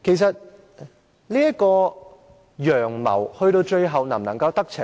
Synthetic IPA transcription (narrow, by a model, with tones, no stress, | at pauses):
kʰe˨˩js̬ɐ˨t̚ | liː˥jɐ˥kɔː˧ | jœː˨˩ŋmɐ̰˨˩whɵ˧ɥt̪o˧wt͡ʃɵ˧ɥɦɐ˨wnɐ˨˩mnɐ˨˩ŋkɐ˧wt̪ɐ˥k̚t͡sʰɪ˨